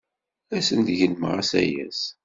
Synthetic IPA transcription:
æsənd̪ʝənməʁasæ̰jæ̰s

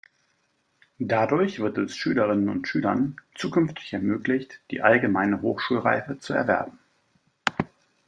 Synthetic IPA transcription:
dadʊɐçv̥ɪɐtɛsʃyːləʁ̞ɪnənʊ̰ntʃyːlɐ̰nt͡suːkʏnftʰɪ̥çɛɐmøːklɪçtd̥ḭːʔalɡəmaɪnəɦoːxʃuːlʁa̰ɪfət͡suɛ̰ɐvɛɐbm̩

